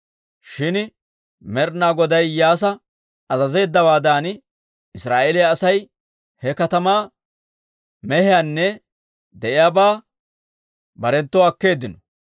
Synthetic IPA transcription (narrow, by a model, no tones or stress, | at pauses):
ʃɪn | mɛɾnaːɡɔd̪ɐjjaːs̬ɐ | ɐzɐze̞ːd̪ːɐbaːd̪aːn | ɪsɾaːʔelɪjaːsɐj | hɛkɐt̪ɐmaː | mɛhɪjaːnːɛ | d̪ɛʔɪjaːbaː | bɐɾɛnt̪ːɔɐkːe̞ːd̪ːɪnɔ